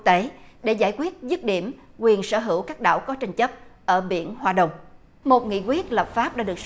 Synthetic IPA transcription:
k̚t̪e˨˦ɗe˧˩zaː˧˩jkwi˦˥ət̚zɨ˦˥t̚ɗḭ˧˩əm | kwi˨˩ənsəː˧˩ɦɨ˧˩əwkaː˦˥k̚ɗa̰ː˧˨wkɔ˨˦t͡ɕa˧jŋ̟t͡ɕə˦˥p̚ʔəː˧˩ɓḭ˧˥ənhwaː˨˩ɗə˨˩wŋ͡m | mo˨˩t̚ŋḭ˧˨kwi˦˥ət̚lə˨˩p̚faː˦˥p̚ɗa̰ː˧˥ɗɨ˨˩ək̚

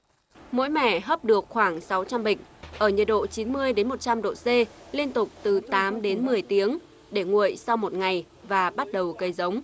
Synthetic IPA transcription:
mo̰˧˥jmɛ̰˧˩˨ɦə˦˥p̚ɗɨ˨˩ək̚xwaː˧˩ŋsa˨˦wt͡ɕa˧mɓï˨˩ŋ̟ʔəː˧˩ɲə˨˩t̚ɗo̰˧˨t͡ɕi˨˦nmɨ˧əjɗe˨˦nmo˨˩t̚t͡ɕa˧mɗo̰˧˨se˧li˧ənt̪ʊ˨˩k͡p̚t̪ɨ˨˩t̪aː˨˦mɗe˨˦nmɨ˨˩əjt̪i˨˦əŋ | ɗe˧˩ŋṵ˧˨əjsa˧wmo˨˩t̚ŋa˨˩j | vaː˨˩ɓa˦˥t̚ɗə˨˩wkə˨˦jzə˨˦wŋ͡m

